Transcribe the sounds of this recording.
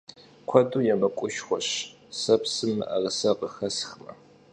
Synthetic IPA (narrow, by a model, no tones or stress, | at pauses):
kʷʰɔduːjɛmɐkʷʼʊʃχʷɔɕ | sɐpsɨmɨ̰ʔɐrəsɐqəxɐsxmɐ̰